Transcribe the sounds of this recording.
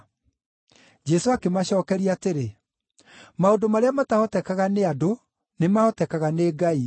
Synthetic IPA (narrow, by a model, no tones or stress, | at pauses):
d͡ʒɛsoakemaɕɔːkɛɾiateɾe | maodomaɾeamatahɔtɛkaɣaneado | nemaɔtɛkaɣaneːɡai